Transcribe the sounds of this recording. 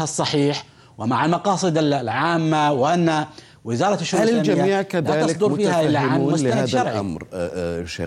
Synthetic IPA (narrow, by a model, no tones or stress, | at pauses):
hasˤːɑħiːħ | wɪmaʕalmɑqɑːsˤɨd̪ɪllʕaːmːawɪʔanːa | wɪzɑːɾˤɑtʃːʊɾualɪlmd͡ʒamːiːʕkaðlːaːɑlɪsd̪ˤʊɾfiːhaʔɪlːaʕauːmʊt̪aaaːɑɾˤʕʔa̰mɾʃḛ